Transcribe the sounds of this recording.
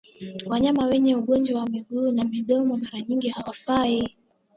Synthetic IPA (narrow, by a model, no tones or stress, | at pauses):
waɲamawɛɲɛuɠɔnd͡ʒwawamiɡunamiɗɔmɔmaɾaɲiŋɡihawafai